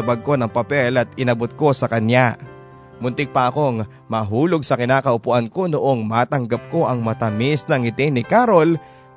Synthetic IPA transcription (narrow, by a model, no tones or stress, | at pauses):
ɐbɐɡ̚ko̞nɐŋpɐpɛlʔɐt̪̚ɪnɐbot̪̚ko̞sɐkɐnja | mʊnt̪ɪɡ̚pɐʔɐko̞ŋ | maɦuːlo̞ɡ̚sɐkɪnaːkɐʔʊpʊʔanko̞noʔo̞ŋmaːt̪ɐŋɡɐp̚ko̞ʔɐŋmɐt̪ɐmɪsnɐŋɪt̪ɪnɪkaːɾo̞l